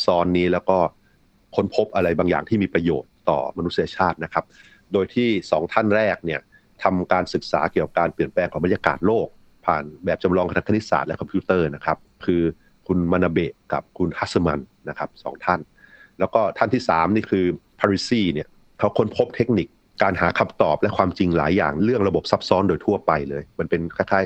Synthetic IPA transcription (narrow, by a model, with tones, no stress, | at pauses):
sɔː˧nːiː˦˥lɛː˦˥wkɔː˥˩ | kʰo˦˥npʰo˦˥p̚ʔa˧ɾa˧jbaː˧ŋja̰ː˨˩ŋʰiː˥˩miː˧pɾa˧jo̰ː˨˩t̪ːɔ̰ː˨˩ma˧nu˦t̪si˧ja˧t͡ɕʰaː˥˩t̪̚na˦˥kʰa˦˥p̚ | doː˧jt̪ʰiː˥˩sɔː˩˦ŋt̪ʰa˥˩nɾɛː˥˩k̚ni˥˩ɐ | t̪ʰa˧mkaː˧nsɯ˨˩k̚sa̰ː˩˦ki˨˩əka˨˩p̚kaː˧npli˨˩ənplɛː˧ŋʰɔ˩˦ba˧nja˧ka̰ː˨˩t̪̚loː˥˩k̚ | pʰa̰ː˨˩nbɛː˨˩p̚t͡ɕa˧mɾɔː˧ŋpʰna˦˥kʰːa˧ni˦˥sa̰ː˨˩t̪̚lɛ˦˥kʰɔ˧mpʰiu˦˥t̪ɤː˥˩na˦˥kʰa˦˥p̚kʰɯː˧ | kʰu˧nma˧na˧be˨˩ka̰˨˩p̚kʰu˧nha˦˥sə˧ma˧nːa˦˥kʰa˦˥p̚sɔ̰ː˩˦ŋt̪ʰa˥˩n | lɛː˦˥wkɔː˥˩t̪ʰa˥˩nt̪ʰiː˥˩sa̰ː˩˦mniː˥˩kʰɯː˧ | pʰaː˧ɾiː˧˥siː˥˩ni˥˩ɐ | a˦˥wkʰo˧˥npʰo˦˥p̚t̪ʰe˦˥k̚ni˨˩k̚ːaː˧nɦaː˩˦kʰa˧˩mt̪ɔː˨˩p̚lɛ˦˥kʰwaː˧mt͡ɕi˧ŋla̰ː˩˦jːa̰ː˨˩ŋɾɯ˥˩əŋɾa˧bo˨˩p̚sa˦˥p̚sɔː˦˥ndoː˧jt̪ʰu˥˩ɐpa˧jlɤː˧jma˧npe˧nkʰa˧˥˩jkʰaː˦˥˩j